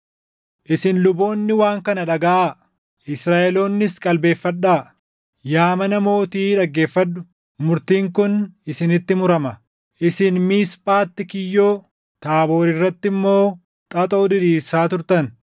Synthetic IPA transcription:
ʔɪsɪnlʊbo̞ːnːɪwaːŋkɐnɐᶑɐɡɐʔa | ʔɪsɾaːʔɛlo̞ːnːɪskʼɐlbe̞ːfːɐᶑaː | jaːmɐnɐmo̞ːt̪iːᶑɐɡːe̞ːfːɐd̪ːʊ | mʊɾt̪iːŋkʊnɪsɪnɪt̪ːɪmʊɾɐmɐ | ʔɪsɪnmiːspʼaːt̪ːɪkɪjːo̞ː | t̪aːbo̞ːɾɪrːɐt̪ːɪmːo̞ː | t̪ʼɐt̪ʼoːd̪ɪɾiːsaːt̪ʊɾt̪ɐn

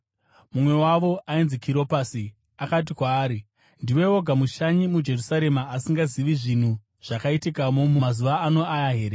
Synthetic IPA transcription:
mumwe̞waʋo̞ʔainzikʰiɾo̞pasi | akat̬ikwaːɾi | ndiwe̞o̞ɡʱamuʃaɲimud͡ʒe̞rusaɾe̞maːsiŋɡaziʋiʐin̤u | ʐ̥akaitikamomumazuʋaːno̞ajaɦe̞ːɾe

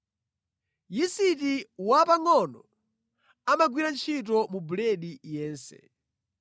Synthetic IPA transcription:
jisitiwapaŋɔnɔ | amaɡwiɾant͡ʃʰit̬ɔmubulɛɗijɛːnsɛ̰

